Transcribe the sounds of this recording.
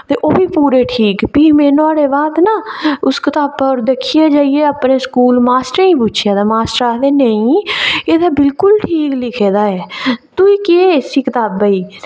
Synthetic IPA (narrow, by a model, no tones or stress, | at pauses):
t̪eːʔoːbiːpuːɾeːʈʰiːkpiːmeːnoaːɽeːbaːd̪naːʊskɪt̪aːbɔːɾd̪ekʰijaːd͡ʒaːieːəpneːskuːlmaːsʈɾĩːpʊt͡ʃʰɪjaːd̪aːmaːsʈəɾaːd̪eːnəĩːeːd̪aːbɪlkʊlʈʰiːklɪkʰeːd̪aːɛːt̪uːiːkeeːɪsiːkɪt̪aːbːaiː